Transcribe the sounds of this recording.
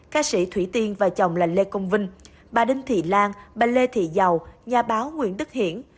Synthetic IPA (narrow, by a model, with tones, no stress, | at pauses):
kaː˨˦˥sḭ˧˩t̪ʰwi˧˩t̪i˧ənvaː˨˩t͡ɕə˨˩wŋ͡mla˨˩ŋle˧kə˧wŋ͡mvï˧ŋ̟ | ɓaː˨˩ɗï˧ŋ̟t̪ʰḭ˧˨laː˧ŋɓaː˨˩le˧t̪ʰḭ˧˨za˨˩wɲaː˨˩ɓaː˨˦wŋwḭ˧˨ənɗɨ˦˥k̚hḭ˧˨ən